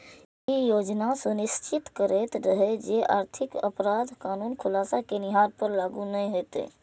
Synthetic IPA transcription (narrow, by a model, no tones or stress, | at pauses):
ijod͡ʒnasə̃nist͡ʃit̪kəɾet̪ɾəɦed͡ʒeʔa̰ːɾt̪ʰikə̰pɾad̪kanuːnkʰulasakeniɦaɾpəɾlaɡunɛɦet̪ḛ